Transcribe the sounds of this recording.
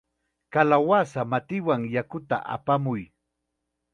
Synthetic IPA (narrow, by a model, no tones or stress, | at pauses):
kalawasamat̪ɪwaŋjakʊt̪a̰ʔa̰pamʊj